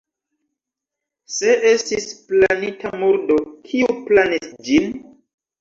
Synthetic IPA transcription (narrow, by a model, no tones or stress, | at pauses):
se̞ʔestisplanitamuɾdokʰiuplanisd͡ʒin